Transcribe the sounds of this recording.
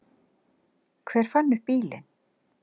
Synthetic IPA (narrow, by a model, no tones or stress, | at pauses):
kʰvɛːɾ̥fanːʏhpiːlɪ̰n